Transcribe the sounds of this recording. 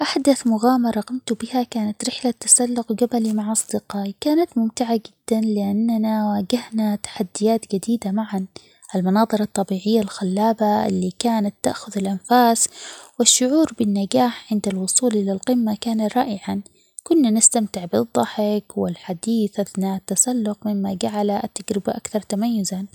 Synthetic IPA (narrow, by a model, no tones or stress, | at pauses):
ʔaħd̪aθmʊɣaːmɑɾˤɑɣɑmt̪ʊbɪhakaːnat̪ɾɪħlat̪ːḁsalːʊqɡabalimaʕʔɑsˤd̪ɪqɑːʔkaːnat̪mʊmt̪ɪʕaɡɪd̪̥ːanlɪʔanːanawaːɡahnat̪ḁħad̪ːɪjaːt̪d͡ʒad̪iːd̪amaʕan | ʔalmɪnɑːðˤɨɾˤɑt̪ˤːɑbiːʕɪjːalxalːaːbaʔɪ̰lːikaːnat̪ːa̰ʔxʊðalʔanfaːswɪʃːʊʕuːɾbɪnːaɡaːħʕɪnd̪alwʊsˤuːlʔɪlalqɪmːakaːnaɾˤɑ̰ːʔɪʕan | kʊnːanɪst̪amt̪ɪʕbɨðˤːɑħɪkwɪlħad̪iːθʔaθnaʔat̪ːasalːʊqmɪmːaɡaʕalaʔat̪ːaɡɾɪbaʔakθɑɾˤt̪amajːʊza